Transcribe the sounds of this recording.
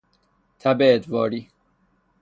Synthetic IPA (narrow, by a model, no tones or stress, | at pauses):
t̪ʰæbet̪vɒːɾiː